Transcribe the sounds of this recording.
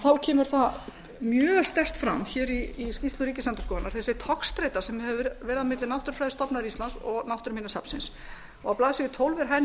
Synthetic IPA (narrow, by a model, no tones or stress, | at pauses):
θawcʰɛːmʏɾ̥θa | mjœːst̪ɛr̥t̪fɾa̰mçɛːɾiːscist̪lʏɾiːcɪslant̪ʏskɔːanːaɾ̥θɛsɪt̪ʰɔkst̪ɾeːjt̪aɾ̥sɛmɛvvɛːɾɪðamɪt̪lɪnawht̪ʏɾ̥fɾajðɪ̥st̪ɔpnaðɾist̪ansɔɣnawht̪ʏɾminasa̰psɪns | ɔɣawplaːðsʏʏt̪ʰowlvɛɾ̥ɦan